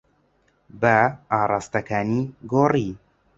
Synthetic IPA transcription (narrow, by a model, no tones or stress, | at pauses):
bɐaːrˤɑːst̪ɐkʰaːniɡoːri